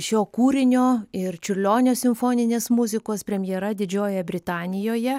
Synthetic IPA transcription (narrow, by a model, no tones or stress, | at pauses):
ʃʲoːkuːɾʲɪnʲoːɪrt͡ʃʲʊrʲlʲoːnʲoːsʲɪmfoːnʲɪnʲeːsmʊzʲɪkoːspʲɾʲɛmʲjɛɾɐd̪ʲɪd͡ʒʲoːjɛbʲɾʲɪt̪ɑːnʲɪjoːjɛ